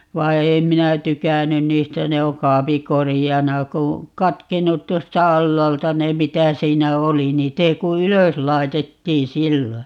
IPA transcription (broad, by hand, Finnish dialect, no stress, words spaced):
ʋɑi̯ ei minæ tykænyn niːstæ ne o kɑːpi korijɑnɑ ku kɑtkenːut tuostɑ ɑlːɑːltɑ ne mitæ siːnæ oli niːt ei ku yløs lɑi̯tetːiːn̞ silːo